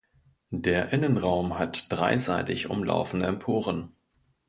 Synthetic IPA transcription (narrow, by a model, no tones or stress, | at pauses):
d̥eːɐʔɪnənʁaʊmhatd̥ʁa̰ɪzaɪtɪçʔʊ̰mlʔa̰ʊfn̩dəɛmpʰoːʁən